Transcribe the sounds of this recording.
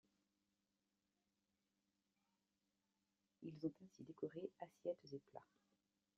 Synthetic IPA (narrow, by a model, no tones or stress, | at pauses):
ilzɔ̃t̪ɛ̃sid̪ekɔʁeasjɛt̪zepla̰